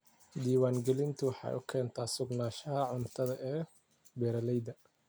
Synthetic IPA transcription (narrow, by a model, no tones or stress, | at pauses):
d̪iːwaːŋɡɛlɪnt̪ʰʊwɑħɑ̰ːjʔʊkʰɛːnt̪ʰaːsʊɡnaːʃɐɦɐʕʊnt̪ʰɐðɐʔɛː | bɛːɾɐlɛjd̪ɐ